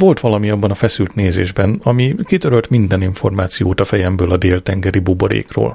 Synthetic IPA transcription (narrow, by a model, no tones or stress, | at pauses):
vo̞lt̪ʋɒlɒmiɒbːɒnɒfɛsylt̪neːzḛːʒbɛnɒmikit̪øɾølt̪mind̪ɛniɱfo̞rmaːt̪sijoːt̪ɒfɛjɛmbøːlɒd̪eːlt̪ɛŋɡɛɾiboboɾḛːkro̰ːl